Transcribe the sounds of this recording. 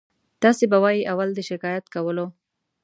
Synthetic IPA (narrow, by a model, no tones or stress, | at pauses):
t̪ɑsebawɑjiʔawald̪əʃɪkɑjat̪kawəlo